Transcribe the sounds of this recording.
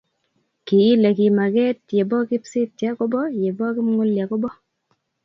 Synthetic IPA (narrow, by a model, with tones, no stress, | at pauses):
ki˨ɪ˦le˨ki˨ma˨kɛ˦tje˨bɔ˦kɪ˦psɪ˦tja˦ko˦bɔ˦je˨bɔ˦kɪ˦mŋʊ˦lja˨kɔ˦bɔ˦